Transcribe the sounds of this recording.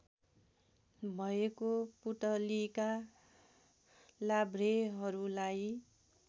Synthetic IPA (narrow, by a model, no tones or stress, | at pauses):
bʱʌekopuʈʌlika | labɾeɦʌɾulaj